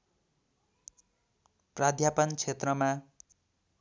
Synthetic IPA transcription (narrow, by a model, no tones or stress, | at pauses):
prad̪ʱjapʌnt͡sʰet̪rʌma